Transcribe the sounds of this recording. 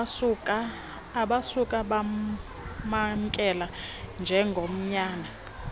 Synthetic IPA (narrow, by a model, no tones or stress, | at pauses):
ukʼaː | ɓasukʼaɓa | maŋkʼɛland͡ʒʱɛŋɡʱom̩ɲaːna